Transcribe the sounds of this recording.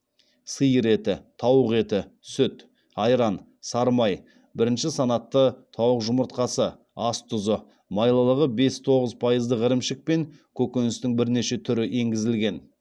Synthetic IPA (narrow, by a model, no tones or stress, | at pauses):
səjɾe̞t̪ɪt̪ʰɑwəqe̞t̪ɪsʏt̪ | ɑjɾɑn | sɑɾmɑj | bɪɾɪnʃɪsɑnɑt̪ːət̪ʰɑwəqʒʊməɾt̪qɑsə | ɑst̪ʰʊzə | mɑjlˠəlˠəʁəbe̞st̪ʰo̞ʁəzpʰɑjəzd̪əʁəɾɪmʃɪk̚pe̞ŋ | kʲʰɵkʲenɪst̪ɪŋbɪɾne̞ʃe̞t̪ʰʏɾɪʔe̞ŋɡʲɪzɪlɡʲe̞n